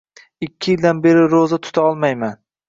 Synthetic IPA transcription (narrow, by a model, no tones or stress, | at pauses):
ɪkʲʰːɪjɪld̪anbe̞ɾɪɾozat̪ʰʊ̥t̪ʰaɒlˠmajman